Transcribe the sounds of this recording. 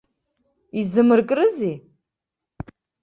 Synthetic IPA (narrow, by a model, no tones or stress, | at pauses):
izɨmɨrkʼrɨzi